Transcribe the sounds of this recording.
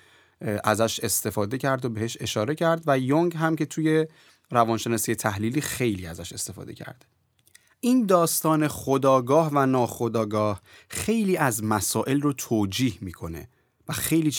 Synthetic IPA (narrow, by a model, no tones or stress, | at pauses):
ʔæzæʃe̞st̪e̞fɒːd̪e̞cʰæɾd̪obe̞he̞ʃe̞ʃɒːɾe̞cʰæɾd̪væjoŋɡɦæmcʰe̞t̪ʰuːje̞ | ɾævɒːnʃe̞nɒːsiːjet̪ʰæhliːliːxe̞jliːæzæʃe̞st̪e̞fɒ̰ːd̪e̞cʰæ̰ɾd̪̥ | ʔiːnd̪ɒːst̪ɒːne̞χod̪ɒːɡɒːhvænɒːxod̪ɒːɡɒːh | xe̞jliːæzmæsɒːʔe̞lrot̪ʰoːd͡ʒiːhmiːkʰo̞ne̞̰ | væxe̞jliː